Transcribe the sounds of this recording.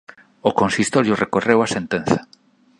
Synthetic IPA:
okonsist̪oɾjʊrekorewasent̪en̟θɐ̥

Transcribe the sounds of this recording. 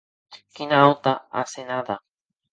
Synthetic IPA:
kinaot̪aa̰senaða

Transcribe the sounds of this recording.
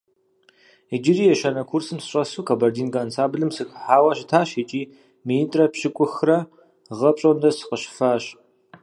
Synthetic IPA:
id͡ʒɪriːjɛʃɐnɐkʷʰursɨmsɨɕʼɐsuːkʰabɐrdiːnɡaːnsʰaːbɨɮɨmsɨxħaːwɐɕɪtʰaːɕet͡ʃʼiː | miintʼrɐpɕɪkʷʼʊxrɐ | ʁɐpɕʼondɐsɨ̥qəɕfaːɕ

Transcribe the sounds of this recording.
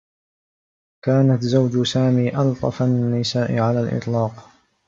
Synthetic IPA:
kaːnat̪zawd͡ʒʊsaːmiːʔɑlt̪ˤɑfanːɪsaːʔɪʕalaːlʔɪ̰t̪ˤlɑːq

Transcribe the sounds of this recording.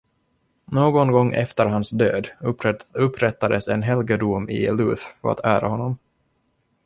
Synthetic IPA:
noːɡɔnɡɔŋːʔɛ̰ft̪əɾɦansd̪øːd̪ | ɵpːɾɛt̪ːad̪əsɛnɦɛlɡəd̪umɪ̰lʉːθfœɾa̰t̪ʰæːɾa̰hɔnːɔm

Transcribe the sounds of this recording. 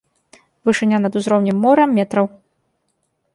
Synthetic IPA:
vɨʂɨnʲːanɐd̪uzɾɔwnʲimːɔɾɐmːʲɛt̪ɾɐw

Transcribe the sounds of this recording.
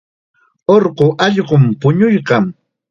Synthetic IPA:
oɾɢʊʔɑʎɢʊmpʊɲʊjɢɑm

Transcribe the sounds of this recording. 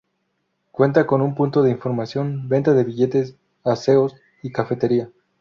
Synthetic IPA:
kwe̞nt̪ako̞numpunt̪o̞ðe̞iɱfo̞ɾmasjo̞nbe̞nt̪aðe̞βiʝe̞t̪es | ase̞os | ikafe̞t̪e̞ɾia

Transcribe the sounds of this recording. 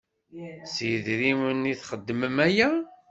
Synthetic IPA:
siðɾiməniθχəd̪ːəməmæjæ

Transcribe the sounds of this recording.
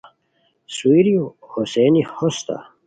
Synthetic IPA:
suiɾiohosenihost̪a̰

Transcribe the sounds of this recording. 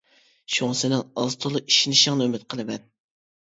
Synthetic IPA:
ʃuŋsɪnɪŋɑzt̪ʰolˠʊʔiʃinɪʃɪŋnɨømɪt̪̚qʰəlˠɨmɛn

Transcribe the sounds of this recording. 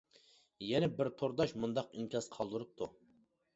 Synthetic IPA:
jɛnɛbɪɾt̪ʰoɾd̪ɑʃmund̪ɑqinkʲɑsqʰɑlˠd̪uɾup̚t̪ʰu

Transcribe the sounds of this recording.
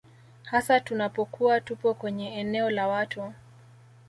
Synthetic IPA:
hasatunapɔkuatupɔkwɛɲɛɛnɛɔlawatu

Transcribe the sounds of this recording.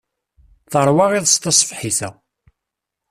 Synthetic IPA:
θəɾˤwɑʁiðˤst̪ɑsˤfħiθæ

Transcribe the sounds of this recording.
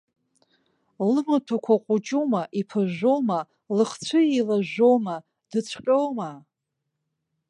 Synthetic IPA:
lɨmatʰakʷʰaqʷʼʊt͡ʃʼumaʔipʰɨʒʷo̞wma | lɨχt͡sʷʰɨilaʒʷowma | d̥ɨt͡ɕʷʰqʲʼowma

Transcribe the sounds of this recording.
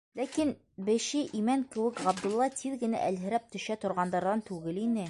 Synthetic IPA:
lækin | bɘ̆ʃɘʔimæŋkɘ̆wɘkʁɑb̚d̪ŭlˠːɑt̪ʰiðɡɘ̆næ̰ʔælɦɘ̆ɾæp̚t̪ɵ̆ʃæt̪ŏɾʁɑnd̪ɑɾðɑnt̪ʉɡɘlinɘ

